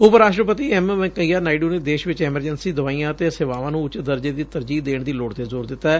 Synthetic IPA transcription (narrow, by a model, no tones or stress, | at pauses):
ʊpəɾaːʃʈɾəpət̪iːɛːmʋɛ̃kəiːaːnaːɪɖuːneːd̪eːʃʋɪt͡ʃɛːməɾd͡ʒənsiːd̪ʊʋaːijãːt̪eːsɪʋaːʋãːnũːt͡ʃd̪əɾd͡ʒeːd̪iːt̪əɾd͡ʒiːd̪eːɳd̪iːloːɽt̪eːzoːɾd̪ɪt̪ːaɛː